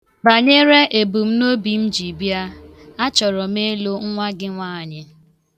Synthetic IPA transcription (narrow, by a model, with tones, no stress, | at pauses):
ba˨ɲe˦ɾe˦ʔe˨bu˨m̩˦no˦bi˨n̩˦d͡ʒi˨bja˦a˦t͡ʃɔ˨ɾɔ˨me˦lo˦ŋ̩˦ŋʷa˦ɡɪ˦ŋʷaː˦˨ɲɪ˦